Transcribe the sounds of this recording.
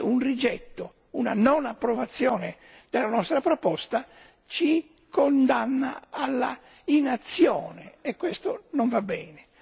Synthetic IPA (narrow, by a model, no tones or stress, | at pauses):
unrid͡ʒɛt̪ːo | una̰nonapːɾovat̪sːjɔːne | d̪̥elːanɔst̪ɾapɾopɔst̪a | t͡ʃi | kond̪anːa̰alːa̰ | inat̪sːjɔːneːkːwest̪onoɱvabːɛːne